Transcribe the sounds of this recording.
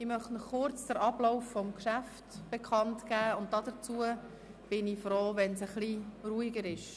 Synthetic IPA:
imœχtnɔχʊɾt͡sd̥əɾʔɑb̥loʊfːɔmkʃæftb̥ekʰɑntkæːʊnt̚dɑdəɾt͡suə | b̥ɪnifɾoːvɛnsəχliruːiɡəɾɪʃ

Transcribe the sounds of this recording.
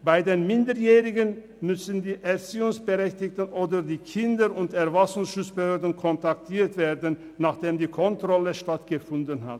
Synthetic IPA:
b̥aɪdeːnmɪndəjɛːʁɪɡən | mʏsəndiːʔɛɐt͡siːʊŋsb̥əʁɛçtɪktənʔoːdɐdiːkʰɪndəʁʊntɛɐvasʊŋsʃʊt͡spəhøːɐdənkʰɔntak̚tʰiːɐtv̥eːɐdənːaːχd̥eːmdiːkʰɔntʁ̥ɔləʃtatɡ̥əfʊndənɦa̰t

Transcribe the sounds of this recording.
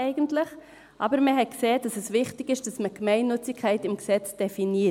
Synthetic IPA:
ɛɪɡəntlɪχ | ʔɑ̰ːbəɾməɦɛkseːd̥ɑsɛsvɪχtɪɡɪʃd̥ɑsməɡ̥mɛɪnːʏt͡sɪkʰːæɪtɪmɡsɛt͡sd̥ɛfiniː

